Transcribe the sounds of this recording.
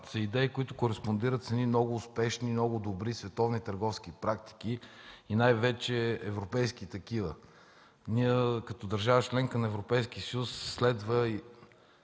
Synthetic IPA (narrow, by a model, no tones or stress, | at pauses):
zɐid̪ɛikoit̪ʊkoɾɛspond̪iɾət̪sɐnimnɔɡʊːspɛʃnimnɔɡʊd̪obɾisvɛt̪ɔvnit̪əɾɡɔfskipɾak̚t̪i̥k̟iinajvɛt͡ʃɛɛvɾopɛjskit̪ɐkivə̰ | niəkɐt̪ɔd̪ɐɾʒavət͡ʃlɛŋkənɐɛvɾopɛjsk̟isəjusːlɛd̪vəi